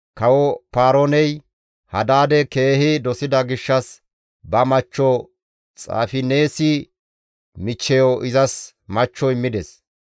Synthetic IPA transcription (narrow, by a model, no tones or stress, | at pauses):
kɐwɔpaːɾɔnɛj | hɐd̪aːd̪ɛke̞ːhɪd̪ɔsɪd̪ɐɡɪʃːɐs | bɐmɐt͡ʃːɔ | t͡sʼa̰ːfɪne̞ːsɪ | mɪt͡ʃːɛjɔʔɪzɐs | mɐt͡ʃːɔɪmːɪd̪ɛs